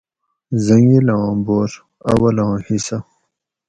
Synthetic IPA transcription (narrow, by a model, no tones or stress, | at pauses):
zɐŋilɑ̃ːboːɾ | ɐwɐlɑ̃ːhisɐ